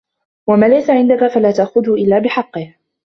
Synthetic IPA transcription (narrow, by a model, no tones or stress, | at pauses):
wamaːlajsaʕɪnd̪akafalaːt̪aʔxʊðhʊʔɪlːaːbɪħɑqːɨɪh